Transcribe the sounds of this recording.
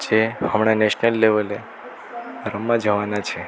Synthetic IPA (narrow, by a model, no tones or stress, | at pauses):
d͡ʒehəmɳ̃aneʃnəlːeʋəle | ɾəmːãd͡ʒəʋanat͡ʃʰe